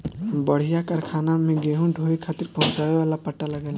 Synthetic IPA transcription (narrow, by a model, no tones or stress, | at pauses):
mbəɽ̤ijakəɾkʰanameɡeɦũɖʱoikʰat̪iɾpəɦʊ̃t͡ʃabewalapəʈːaləɡɛl